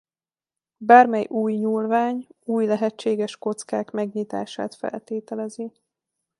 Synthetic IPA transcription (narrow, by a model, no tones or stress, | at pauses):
baːrmɛjʔuːjɲuːlvaːɲuːjlɛɦɛt͡ʃːeːɡɛʃko̞t̪skaːkmɛɡɲit̪a̰ːʃa̰ːt̪fɛ̰lt̪eːt̪ɛlɛzi